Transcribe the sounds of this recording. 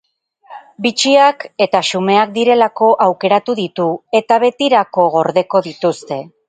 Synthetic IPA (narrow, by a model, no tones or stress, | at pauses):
bit͡ʃiake̞t̪aʃume̞ak̚d̪iɾe̞lako̞ʔawke̞ɾat̪uðit̪ue̞t̪aβe̞t̪iɾako̞ɣo̞ɾðe̞ko̞ðit̪ust̪e̞